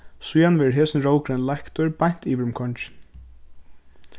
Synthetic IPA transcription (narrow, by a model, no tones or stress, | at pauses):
sujanʋɛːɦɛːsɪnɹoːwkɾɛnlajhkt̪ɔɹpajɲ̥t̪iːʋɪɾʏmkʰɔɲt͡ʃɪ̥n